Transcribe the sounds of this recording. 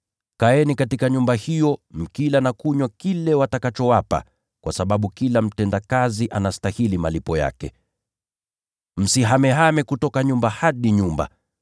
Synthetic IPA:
kaɛnikatikaɲumbahijɔm̩kilanakuɲwakilɛwatakat͡ʃɔwapa̰ | kwasaɓaɓukilam̩tɛndakaziʔanastahilimalipɔja̰kɛ̰ | m̩siɦamɛɦamɛkutɔkaɲumbahaɗiɲumba̰

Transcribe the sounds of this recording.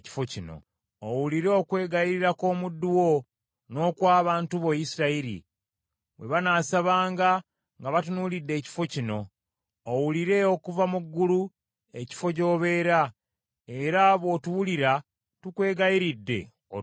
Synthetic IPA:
ci̥fo̞cino̞̰ | owuliɾe̞okwe̞ːɡajiɾiɾako̞ːmudːuwo̞ | no̞ːkwaːβaːntuβojisiɾaiɾḭ | we̞̰βanaːsaβaːŋɡa | ŋɡaβatunuːlidːe̞ːci̥fo̞cino̞ː | wuliɾe̞okuvamuɡːulu | e̞ci̥fo̞co̞ːβe̞ːɾa | e̞ɾaβo̞ːtuwuliɾa | tukwe̞ːɡajiɾidːe̞̰

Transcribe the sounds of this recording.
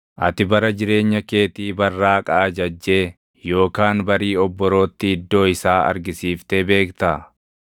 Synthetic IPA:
ʔɐ̰t̪ɪbɐɾɐd͡ʒɪɾe̞ːɲːɐke̞ːt̪iːbɐrːaːkʼɐːd͡ʒɐd͡ʒːeː | jo̞ːkaːnbɐɾiːɔbːɔɾo̞ːt̪ːɪɪd̪ːo̞ːɪsaːɐ̰ɾɡɪsiːft̪eːbe̞ːkt̪ɐ

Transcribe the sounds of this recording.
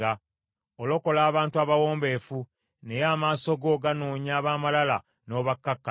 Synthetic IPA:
a | olo̞ko̞laːβaːntuaβawo̞ːmbe̞fu | ne̞jaːmaːso̞ɡo̞ːɡanoːɲaːβaːmalala̰ | no̞ːβakːakːa

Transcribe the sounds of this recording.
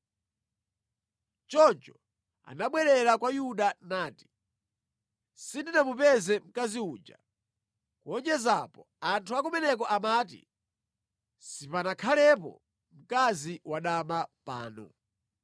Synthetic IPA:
t͡ʃɔnt͡ʃɔ | a̰naɓwɛɾɛɾakwajuɗanaːti̥ | sindinamupɛzɛm̩kaziuːd͡ʒa̰ | kuɔɲd͡ʒɛzapɔ | antʰuakumɛnɛk̬ɔʔamaːt̬ḭ | sipanakʰalɛpɔ̰ | m̩kaziwaɗamapa̰ːnɔ̰

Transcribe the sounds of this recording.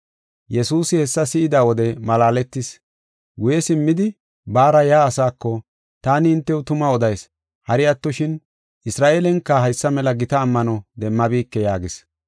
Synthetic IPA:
jɛsuːsɪhɛsːɐsɪɪd̪aːwɔd̪ɛmɐlaːlɛt̪ːɪs | ɡʊjɛsɪmːɪd̪ɪ | baːɾɐjaːsaːkːɔ | t̪aːnɪːnt̪ːɛʊt̪ʊmɐɔd̪ɐjs | hɐɾɪɐt̪ːɔʃɪn | ʔɪsɾaːʔeːlɛŋkːɐhɐjsːɐmɛlɐɡɪt̪ɐːmːɐnɔd̪ɛmːɐbiːkːɛjaːɡɪs

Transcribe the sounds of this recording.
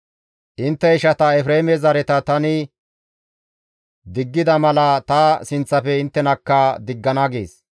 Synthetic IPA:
ʔɪnt̪ːɛɪʃɐt̪ɐɛfɾemɛzɐɾɛt̪ɐt̪ɐnɪ | d̪ɪɡːɪd̪ɐmɐlɐt̪ɐsɪnt͡sːɐfɛɪnt̪ːɛnɐkːɐd̪ɪɡːɐnɐɡeːs

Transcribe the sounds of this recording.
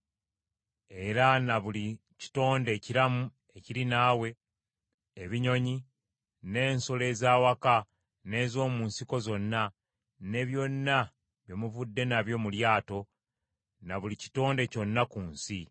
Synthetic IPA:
e̞ɾanaβuli | ci̥to̞ːnde̞ːciɾamu | e̞ciɾinaːwe̞ː | βiɲo̞ɲi | ne̞ːnso̞le̞ːzaːwaka | ne̞ːzo̞ːmuːnsiko̞zo̞nːa | ne̞βjo̞nːa | βjo̞muvudːe̞naβjo̞ːmuljaːto̞ | naβulici̥to̞ːnde̞co̞nːakuːnsi

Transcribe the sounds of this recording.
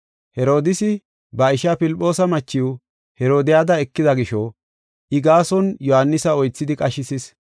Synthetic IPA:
hɛɾo̞ːd̪ɪsɪ | bɐɪʃapɪlɪpʼːo̞ːsɐmɐt͡ʃːɪwʊ | hɛɾo̞ːd̪ɪjaːd̪ɐɛkːɪd̪ɐɡɪʃɔ | ʔɪɡaːsɔnjɔhanːɪsɐɔjt͡sːɪd̪ɪkʼɐʃɪsɪs

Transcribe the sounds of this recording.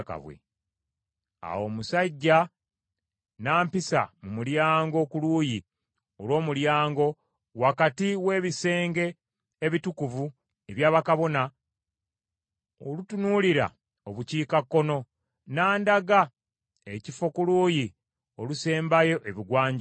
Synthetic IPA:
ka̰βwḛ | a̰wo̞musaɟːa | naːmpisa̰mumuljaːŋɡo̞kuluːji | o̞lo̞ːmuljaːŋɡo̞ | wakatiwe̞ːβise̞ːŋɡe̞ː | βitukuvu | eβjaːβakaβo̞na | o̰lutunuːliɾa̰ | oβuciːkakːo̞no̞ | naːndaɡa | ecifo̞kuluːji | oluse̞ːmbajo̞ʔe̞βiɡwaːɲ

